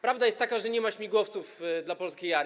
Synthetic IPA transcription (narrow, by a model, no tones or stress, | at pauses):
pɾavd̪ajɛst̪ːakaʐɛɲɛmat͡ɕmʲiɡwɔft̪sufd̪lapɔlskʲejaɾ